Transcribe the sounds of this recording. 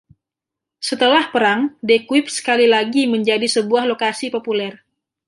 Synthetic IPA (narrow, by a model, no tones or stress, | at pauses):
sət̪əlahpəɾaŋdekwɪp̚sə̥kalilaɡiməɲd͡ʒadisəbuahlokasipopulɛr